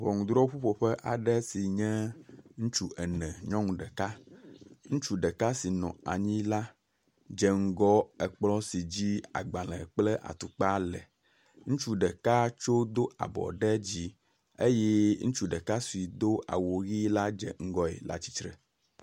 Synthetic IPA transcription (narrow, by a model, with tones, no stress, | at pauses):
βɔ˨ŋũ˨d̪ɾɔ˦ɸu˦ɸo˨ɸɛ˦ʔa˨ɖɛ˦si˨ɲɛ̃˦ŋũ˦t͡ʃu˦ʔɛ˨nɛ̃˨ɲɔ̃˦ŋũ˨ɖɛ˨ka˦ | ŋũ˦t͡ʃu˦ɖɛ˨ka˦si˨nɔ̰̃˨a˨ɲĩ˦la˦ | d͡ʒɛ˨ŋ̩˨ɡɔ˦ɛ˨k͡plɔ˦si˨d͡ʑi˦a̰˨ɡ͡bã˨lɛ˨k͡plɛ˦ʔa̰˨t̪u˨k͡pa˦lɛ˨ | ŋũ˦t͡ʃu˦ɖɛ˨ka˦t͡ʃo˦d̪o˦ʔa̰˨bɔ̰˨ɖɛ˦d͡ʑi˦ | e˦jɛ˦ŋũ˦t͡ʃu˦ɖɛ˨ka˦su˨i˨d̪o˦ʔa̰˨wo˨ɣi˦la˦d͡ʒɛ̰˨ŋ̩˦ɡɔ˦ḛ˨la̰˨t͡ɕi˦tɾɛ˨